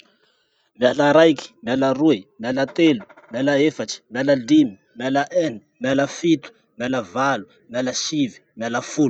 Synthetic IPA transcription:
mjalaɾajki̥maləruemalat̪elu̥mjalaefaʈ͡ʂi̥mjaləlimi | malaʔɛnimaləfit̪u̥ | maləvalu̥ | mjaləʃivi̥maləful

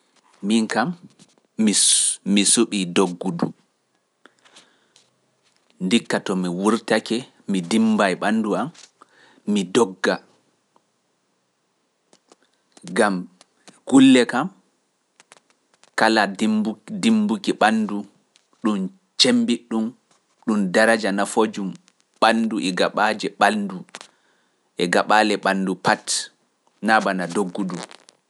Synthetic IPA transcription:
miŋkamː | iːisuɓidoɡːudu | ndikːatɔmiwuɾtakɛ | midimbajɓanːduamː | idɔɡːa | ɡam | ɡ̥ulːɛkam | kaladimbdimbukiɓandu | ɗun | t͡ʃembiɗːum | ɗumdaɾad͡ʒanafod͡ʒum | ɓanduʔɛɡaɓad͡ʒɛɓandu | ʔɛɡaɓalɛɓandupat | nabanadoɡːudum

